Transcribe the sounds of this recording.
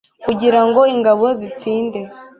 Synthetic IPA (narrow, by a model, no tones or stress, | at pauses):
kuɟiɾaŋɡo̞iŋɡaβo̞zit͡siːnde̞